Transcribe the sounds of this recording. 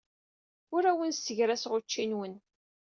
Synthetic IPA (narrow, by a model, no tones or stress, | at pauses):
ʊɾæwənsəʝɾæsʁʊt͡ʃːinwən